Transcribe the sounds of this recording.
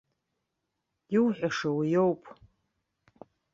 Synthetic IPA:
iwħʷᶣaʂɐwijowpʰʼ

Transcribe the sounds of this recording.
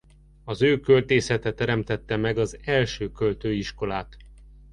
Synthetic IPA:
ɒzøːkølt̪eːsɛt̪ɛt̪ɛɾɛmt̪ɛt̪ːɛmɛɡɒzɛlʃøːkølt̪øːiʃko̞laːt̪

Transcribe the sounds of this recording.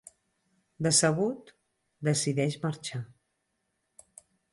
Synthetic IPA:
d̪əsəβ̞ut̪ | d̪əsiðɛʃməɾt͡ʃa

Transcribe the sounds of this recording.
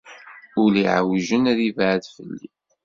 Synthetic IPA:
ʊliʕwʒənæðivʕəðfəlːḭ

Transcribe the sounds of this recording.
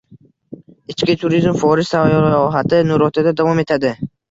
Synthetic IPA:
ɪt͡ʃkʲɪt̪ʰʊɾizmfɒɾɪʃsavjɒɦat̪ʰɪnʊɾɒt̪ʰad̪ad̪avɒme̞t̪ʰad̪ɪ

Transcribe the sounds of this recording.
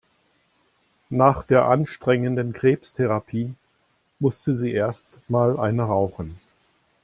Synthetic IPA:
naːχd̥eːɐʔanʃtʁ̥ɛŋəndənkʁ̥eːpstʰeʁapʰiː | mʊstəziːʔeːɐstmaːlʔaɪnəʁaʊχn̩

